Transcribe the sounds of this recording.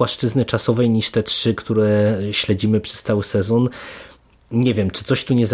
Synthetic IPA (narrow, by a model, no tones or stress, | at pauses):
waʂt͡ʂɘznɘt͡ʂasɔvɛjɲiʂt̪ɛtʂɘkt̪uɾɛɕlɛd͡ʑimɘpʂɛ̥st̪sawɘsɛzɔn | ɲɛvʲjɛmt͡ʂɘt̪sɔɕt̪uɲɛz